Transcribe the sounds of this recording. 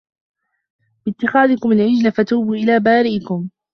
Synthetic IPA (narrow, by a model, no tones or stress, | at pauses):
b̥ɪt̪ːɪxaːðɪkʊmalʕɪd͡ʒlafat̪uːbuːʔɪlaːbaːɾɪʔɪkʊm